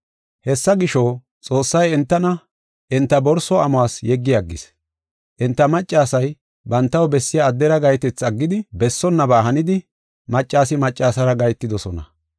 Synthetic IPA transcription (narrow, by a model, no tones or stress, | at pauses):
hɛsːɐɡɪʃɔ | t͡sʼo̞ːsːɐjɛnt̪ːɐnɐ | ʔɛnt̪ːɐbɔɾsɔɐmwaːsjɛɡːɪjɐɡːɪs | ʔɛnt̪ːɐmɐt͡ʃʼːaːsɐj | bɐnt̪ːɐwbɛsːɪjaːd̪ːɛɾɐɡɐjt̪ɛt͡sɐɡːɪd̪ɪbɛsːɔnːɐbaːɦɐnɪd̪ɪ | mɐt͡ʃʼːaːsɪmɐt͡ʃʼːaːsɐɾɐɡɐjt̪ːɪd̪ɔsɔnɐ̰